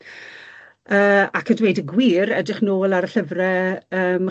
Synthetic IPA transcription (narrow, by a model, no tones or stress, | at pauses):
əːakʰədwejdəɡwiːɾɛdrɪχnoːlˠaɾəɬəvrɛəːm